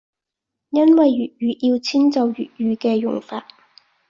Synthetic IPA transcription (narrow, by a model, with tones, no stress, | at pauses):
jɐ˥nwɐ˨jɥyː˨t̚jyː˨˧ʔiː˧wt͡sʰiː˥nt͡sɐ˨wjy̰ː˨t̚jyː˨˧kɛː˧jʊ̰˨˩ŋfaː˧t̚